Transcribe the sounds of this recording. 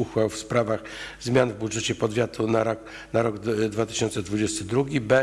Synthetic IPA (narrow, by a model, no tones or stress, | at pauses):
uxwawfspɾavaxzmʲjanvbudʐɛt͡ɕɛpɔd̪vʲjat̪ʰunaɾɔ | naɾɔɡd̪vat̪ɘ̥ɕɔnt̪sɛd̪vud͡ʑɛst̪ɘd̪ɾuɡʲibɛ